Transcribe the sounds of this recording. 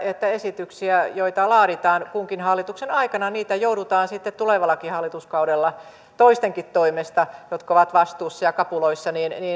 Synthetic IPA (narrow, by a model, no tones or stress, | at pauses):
et̪ːæesit̪yksiæjoit̪ɑlɑːɾit̪ɑːnkuŋkinhɑlːˑit̪uksenɑikɑnɑniːt̪æjouɾut̪ɑːnsit̪ːet̪t̪uleʋɑlːˑɑkihɑlːit̪uskɑudelːɑ | t̪oist̪eŋkit̪t̪ːoimest̪ɑjot̪koʋɑt̪ʋɑst̪uːsːɑjɑkɑpuloisːɑniːnniː